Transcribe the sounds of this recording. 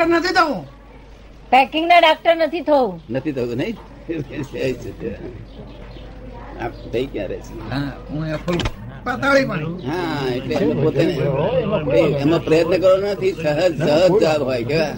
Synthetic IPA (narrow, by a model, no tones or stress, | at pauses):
əɾnət̪ʰit̪ʰəũ | pɛkɪŋɡnaɖak̚ʈəɾnət̪ʰit̪ʰəũnət̪ʰit̪ʰəũnəĩ | eeəit͡ʃet̪ẽ | a̰p̚t̪əikja̰ɾɛ̰t͡ʃʰeɦãũakʰopat̪aɭipəɳɦãeʈleũpot̪eneneemãpɾəjət̪nəkəɾonnət̪ʰisəɦəd͡ʒsəɦəsd͡ʒabɦojkeʋa